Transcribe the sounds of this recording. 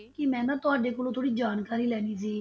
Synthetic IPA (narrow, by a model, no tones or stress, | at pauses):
kɪmɛ̃ːnãːt̪ʊaːɖeːkoːlõːt̪ʰoːɽiːd͡ʒaːnkaːɾiːlɛːniːsiː